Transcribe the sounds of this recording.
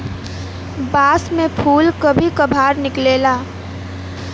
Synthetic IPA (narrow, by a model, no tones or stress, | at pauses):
baːsmẽpʰuːlkəbʱikəbʱaːɾnɪkleːlaː